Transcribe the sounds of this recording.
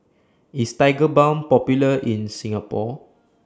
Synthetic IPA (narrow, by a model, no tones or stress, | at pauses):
istaɪɡəbãw̃npɔpjuləĩnsĩŋapɔ